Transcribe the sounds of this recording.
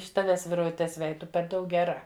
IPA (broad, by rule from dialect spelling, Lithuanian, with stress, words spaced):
ɪʃ ˈtɑːʋʲɛs ʋʲɪrʋʊˈtʲɛs ˈʋʲɛj ˈtʊ pʲɛr ˈdɐʊk ɡʲɛˈrɐ